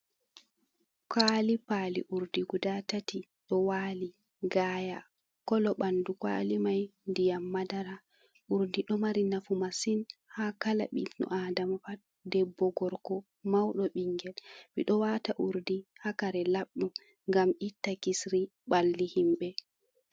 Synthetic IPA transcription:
kʰaːlipalḭʔuɾdiɡudatati | ɗɔwaːli | ɡaːja | kɔlɔɓandukwa̰limajndijamːadaɾa | ʔuɾdiɗɔmaɾinafumasinhakala̰ɓḭnɔ̰ʔadamafat̚ | dɛbːɔɡɔɾkɔ | mawɗɔɓiŋɡɛlbiɗɔwataʔuɾdihakaɾɛlaɓɗɔ | ŋɡamʔitːakisɾi | ɓalːihimɓɛ

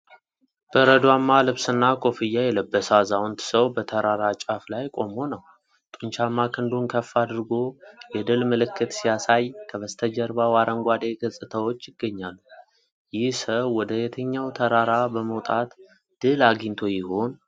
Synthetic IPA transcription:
b̥əɾəd̪wamːalɨβsɨnːakʼo̞fɨjːajɛləbːəsazawnt̪səwbət̪ʰəɾaɾat͡ʃʼaflajkʼo̞mo̞nəw | t̪ʼunt͡ʃamːakʰɨnd̪unkʰəfːad̪ɨɾɡo̞jɛd̪ɨlmɨlɨkːɨt̪sijasajkʰəβəst̪ʰəd͡ʒəɾbawaɾəŋɡʷad̪eɡɨsʼɨt̪ʰəwo̞t͡ʃːjɪɡːəɲːalːu | jɪhsəwːɔd̪əjɛt̪ʰəɲːawt̪ʰəɾaɾabəməwt̪ʼat̪ | d̪̥ɨlaɡint̪ʰo̞jɪho̞n

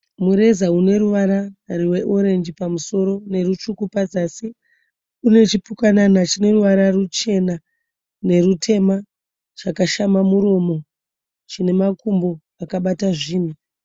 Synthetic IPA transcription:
muɾe̞zaune̞ɾuʋaɾariwe̞ʔoɾe̞nd͡ʒipamuso̞ɾo̞ne̞rut͡ʃukupad͡zasi | une̞t͡ʃipukananat͡ʃine̞ruʋaɾarut͡ʃe̞na | ne̞rutʰe̞ma | t͡ʃakaʃamamuɾo̞mo̞ | t͡ʃine̞makumbo̞ | akaɓataʐiːn̤u

